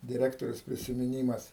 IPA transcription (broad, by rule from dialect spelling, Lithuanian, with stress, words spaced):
dʲɪˈrʲæːktoːrʲeːs pʲrʲɪsʲɪmʲɪˈnʲiːmɐs